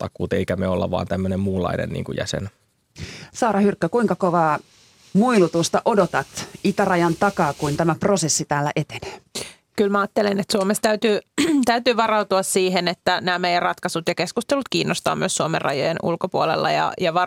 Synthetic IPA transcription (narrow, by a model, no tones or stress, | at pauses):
t̪ɑkːˑuːt̪eikæmeolːɑ̰ʋɑ̰ːnt̪æmːønemmuːlːɑ̰inḛnnḭːŋkujæ̰sḛn | sɑːɾɑhyrkːøkuiŋkɑkoʋɑː | muilut̪ust̪ɑʔodot̪ɑt̪it̪ærɑjɑnt̪ɑkɑːkuint̪æmæprosesːit̪æːlːæ̰ʔet̪ene̥ː | kylmæɑːt̪ːelenet̪suomest̪æyt̪yːt̪æyt̪yːʋɑrɑut̪uɑssiːɦenet̪ːænæːmejærrɑt̪kɑsut̪jɑkeskust̪elut̪kiːnːost̪ɑ̰ːmyøssuomḛrɑ̰jojenṵlkopuolḛlːɑ̰jɑ̰jɑʋɑ